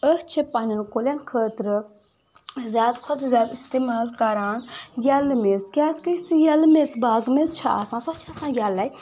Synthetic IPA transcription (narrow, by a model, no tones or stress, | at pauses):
əht͡ʃʰipaninkolʲankʰəːt̪ɾɨ | zʲjaːd̪kʰʊd̪zʲjaːd̪ist̪eːmaːlkɐɾaːnjɐlmezkʲaːzkəisijɐlmezbaːɡmezt͡ʃʰaʔa̰sãːsot͡ʃʰasãːjɐlːaj